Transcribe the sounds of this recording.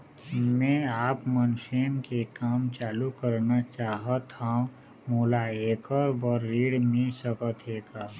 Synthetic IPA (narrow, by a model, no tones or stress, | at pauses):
mɛ̃aːpmənʃenkekaːmt͡ʃaːlukəɾnat͡ʃaːɦət̪hã | moːlaeːkəɾbəɾːiːɽmẽsəkət̪ʰeːɡaː